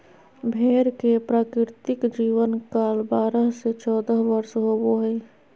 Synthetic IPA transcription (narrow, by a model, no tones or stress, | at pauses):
bʱeːɾkepɾaːkɾɪɾt̪ɪkd͡ʒiːʋənkaːlbaːɾəɦset͡ʃɔːd̪əɦʋəɾsɦoːboɦɛː